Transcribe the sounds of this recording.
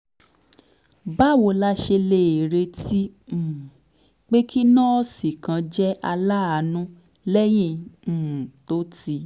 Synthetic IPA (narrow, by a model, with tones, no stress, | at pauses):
ba˦˨wo˧la˦ʃe˧le˧˨e˨ɾe˧tĩ˦˨ | k͡pe˦ki˦nã˦ɔ˦si˨kã˧d͡ʒɛ˦ʔa˧la˦a˨nũ˦ | lɛ˦j̃ĩ˧˨ | to˦ti˧